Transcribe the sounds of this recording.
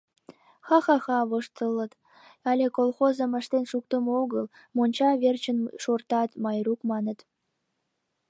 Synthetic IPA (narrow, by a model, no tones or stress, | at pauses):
xɑxɑxɑβoʃt̪əlːə̆t̪ | ɑlʲekolxozə̆mə̆ʃt̪enʃuk̚t̪əmooɣəl | monʲt͡ɕɑβert͡ɕənʃort̪ɑt̪mɑjɾukmɑnə̆t̪